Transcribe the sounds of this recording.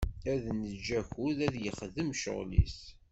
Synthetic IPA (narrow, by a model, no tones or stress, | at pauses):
æðnəd͡ʒːæçuðæðjəχðəmʃə̰ʁlḭs